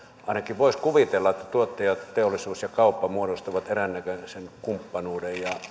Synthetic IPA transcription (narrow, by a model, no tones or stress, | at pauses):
ʔɑˑenɑkiʋʋoˑiskuʋit̪elːɑet̪ːæt̪uot̪ːeˑjɑtt̪eolːˑisuːsjɑkɑˑupːɑmuodost̪oʋɑt̪erænːækøsenkumpːɑnuːdejjɑ